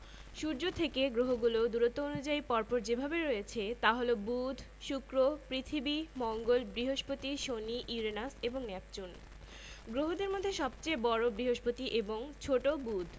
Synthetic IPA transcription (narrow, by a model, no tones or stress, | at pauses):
ʃuɾd͡ʑot̪ʰekeɡɾoɦoɡulod̪uɾot̪ːoonud͡ʑaipɔɾpoɾd͡ʑebʱabeɾojet͡ɕʰet̪aɦolobud̪ʱ | ʃukɾopɾit̪ʰibimɔŋɡolbɾiɦoʃpot̪iʃoniʔiɾenaseboŋnɛp̚t͡ɕun | ɡɾoɦod̪eɾmod̪ʱːeʃɔb̚t͡ɕeebɔɾobɾiɦoʃpot̪iʔeboŋt͡ɕʰoʈobud̪ʱ